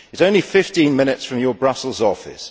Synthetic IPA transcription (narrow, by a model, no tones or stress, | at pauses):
ɪz̥ə̃ʊ̃nlifɪftĩnmɪnɪtsfɹə̃mjəbɹʌsəl̩ˠzɒfɪ̰s